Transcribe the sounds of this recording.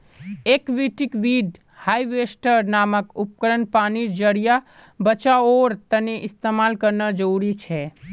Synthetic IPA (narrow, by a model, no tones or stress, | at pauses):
eːkʋiʈikʋiɖ | haːiʋesʈəɾnaːməkʊp̚kəɾənpaːniɾd͡ʒəɾija | bət͡ʃaoːɾt̪əneʔɪst̪emaːlkəɾnəd͡ʒəuɾit͡ʃʰɛ